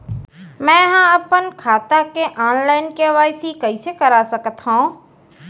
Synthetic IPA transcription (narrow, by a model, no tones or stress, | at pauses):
mɛ̃ːɦãɐpənkʰaːt̪akeʔaːnlaːɪnkeʋaːjsikɐisekɐɾasɐkət̪ɦõː